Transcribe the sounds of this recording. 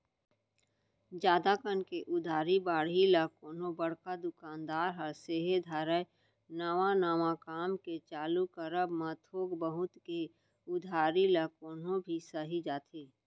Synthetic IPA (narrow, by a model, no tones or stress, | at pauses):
d͡ʒaːd̪akənkeʔʊd̪ʱaːɾibaːɽilakoːnõbəɽkad̪ʊkaːnd̪aːɾɦəɾseːɦed̪ʱaːɾəj | naːʋanaːʋakaːmket͡ʃaːlukəɾəbmat̪ʰoːɡbəɦʊt̪ke | ʊd̪ʱaːɾilakoːnõbʱisəɦid͡ʒaːt̪ʰeː